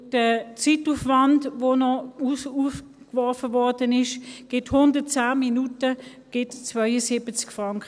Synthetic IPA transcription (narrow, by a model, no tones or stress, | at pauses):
d̥ət͡situːfvandvoːnɔusuf | kvɔʁfəvɔʁdənɪʃɡ̥ɪthʊndət͡saːminutə | ɡ̥ɪtt͡svœʏəsibət͡skfʁaŋkə